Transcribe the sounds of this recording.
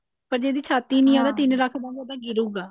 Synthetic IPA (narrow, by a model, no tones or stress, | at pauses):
pəɾd͡ʒeːd̪iːt͡ʃʰaːt̪iːnĩːãːd̪aːt̪ɪnɾəkʰbãːd̪od̪ãːɡɪɾuːɡaː